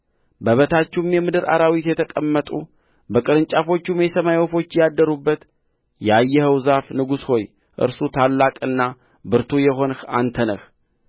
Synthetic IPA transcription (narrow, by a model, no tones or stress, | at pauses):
bəβət̪ʰat͡ʃːumjɛmɨd̪ɨɾʔa̰ɾawit̪jɛt̪ʰəkʼəmːət̪ʼu | bəkʼɨɾɨnt͡ʃʼafo̞t͡ʃːumesəmajofo̞t͡ʃːjad̪ːəɾubːət̪ | jɛajːɛhəwzafnɨɡusho̞j | ʔɨ̰ɾsut̪ʰalːakʼɨnːa | bɨɾt̪ʰujɛɦo̞nxa̰nt̪ʰənəx